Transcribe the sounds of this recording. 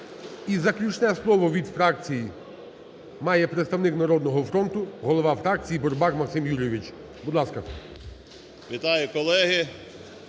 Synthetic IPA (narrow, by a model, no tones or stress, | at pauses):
izɐklʲut͡ʃnɛslˠɔʋɔʋʲid̪fɾɑk̚t͡sʲiji | mɑjɛpɾet̪st̪ɐwnɪknɐɾɔd̪nɔɦɔfɾɔnt̪ʊɦɔlˠɔʋɑfɾɑk̚t͡sʲijibɔrbɑkmɐksɪmjuɾʲjeʋʲit͡ʃ | bud̪lˠɑskɐ | ʋʲit̪ɑjʊkɔlˠɛɦɪ